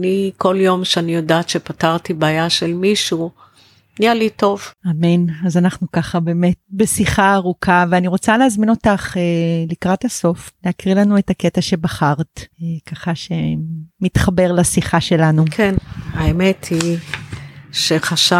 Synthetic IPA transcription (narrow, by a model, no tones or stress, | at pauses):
niko̞ljo̞mʃeanijodaːtʃepataʁtibaːjaʃelmiʃu | nijalito̞vame̞nazanaχnukaχabe̞ːme̞tbesiχaːʁukʰaveaniʁo̞t͡saleazmino̞taχelikʁathaso̞fleakʁilanuetaketaʃe̞baχaʁtkaχaʃe̞mitχabe̞ʁlasiχaʃe̞lanukʰenaemetʰi | ʃeχaʃa